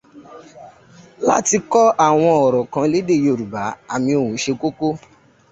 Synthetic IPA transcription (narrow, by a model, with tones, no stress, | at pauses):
la̰˦ti˧kɔ˦a˦˨w̃ɔ̃˧ɔ˨ɾɔ˨kã˨˧˦le˦de˦˨jo˨ɾu˨ba˨˦a̰˦˨mĩ˧o˧˨wũ˨˦ʃe˧ko˦ko˦